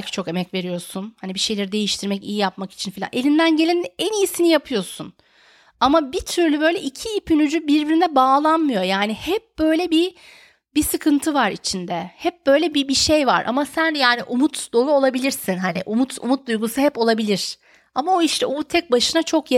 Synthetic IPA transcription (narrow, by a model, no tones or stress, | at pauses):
cʰi̥t͡ʃʰoke̞mɛcve̞ɾijo̞sunhanibiʃe̞jlʲe̞ɾid̪e̞jiʃt̪ʰiɾmɛcḭjijapmaki̥t͡ʃʰinfilʲa̰nʔe̞lʲind̪ænɟe̞lʲind̪ɛnijisinijapʰɯjo̞sun | amabit̪ʰyɾlʲybø̞jlʲɛʔicʰiːpʰynyd͡ʒybiɾbiɾinɛbaːlˠanmɯjo̞jaːnihɛp̚b̥øjlʲɛbi | bisɯkʰɯnt̪ʰɯvaɾit͡ʃʰind̪ɛhɛp̚b̥ø̞jlʲɛbibiʃejva̰ɾʔa̰masænjaːniʔumut̪d̪o̞lˠuo̞lˠabilʲiɾsinɦanɪʔumut̪ʰṵmut̪̚d̪ujɡusɯɦɛpo̞lˠabilʲiɾ̥ | amaoiʃt̪ʰɛot̪ʰɛc̚baʃɯnat͡ʃʰo̞kj